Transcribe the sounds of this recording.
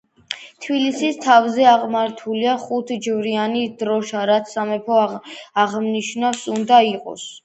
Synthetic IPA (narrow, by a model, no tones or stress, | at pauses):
t̪ʰbilisist̪ʰavzɛaʁmaɾt̪ʰuliaχut̪ʰd͡ʒvɾianid̪̥ɾɔʃaɾat̪sʰsamɛpʰɔaʁmniʃnasund̪aiqʼɔ̰s